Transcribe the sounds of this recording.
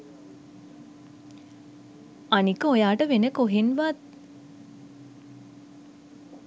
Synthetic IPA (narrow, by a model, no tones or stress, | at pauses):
anikəojaːʈəʋenəkoɦinʋat̪̚